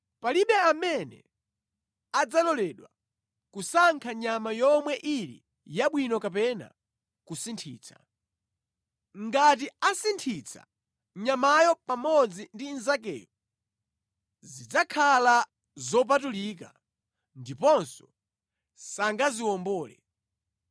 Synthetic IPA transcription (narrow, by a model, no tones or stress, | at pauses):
paliɓɛamɛnɛ̰ | ad͡zalɔlɛɗwa | kusaŋkʰaɲamajɔmwɛʔilḭ | jaɓwinɔkapɛna̰ | kusintʰḭːt͡sʰḁ̰ | ŋɡat̬iasintʰit͡sʰa̰ | ɲamajɔpamɔd͡zindinzak̬ɛ̰ːju | zid͡zakʰala | zɔp̬atulik̬a̰ | ndipɔnsɔ | saŋɡaziwɔmbɔːlɛ̰